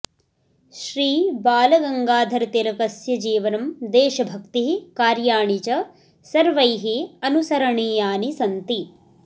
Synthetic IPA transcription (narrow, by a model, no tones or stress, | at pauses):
ʃɾiːbaːlɐɡɐŋɡaːd̪ʱɐɾɐt̪elɐkɐsjɐd͡ʒiːʋɐnɐmd̪eːʃɐbʱɐkt̪iɦikaːɾjaːɳit͡ʃɐ | sɐɾʋɐjɦiɐnusɐɾɐɳiːjaːnisɐnt̪i